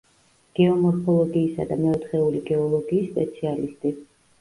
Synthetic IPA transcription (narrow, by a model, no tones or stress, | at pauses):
ɡ̥ɛɔmɔɾpʰɔlˠɔɡiːsa̰d̪amɛɔt̪ʰχɛuliɡɛɔlˠɔɡiːsːpʼɛt̪sʰialist̪ʼi